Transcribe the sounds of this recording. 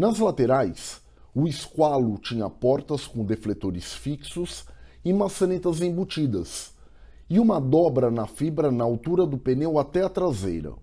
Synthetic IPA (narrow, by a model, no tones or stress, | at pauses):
nɐzlat̪eɾajs | ʊɪskwalʊt͡ʃĩɲɐ̰pɔɾt̪ɐskõd̪eflet̪oɾɪsfiksʊsɪmasɐnet̪ɐzẽbut͡ʃid̪ɐs | ɪũmɐd̪ɔbɾɐnɐfibɾɐnɐawt̪uɾɐd̪ʊpenewat̪ɛɐt̪ɾazḛjɾɐ̰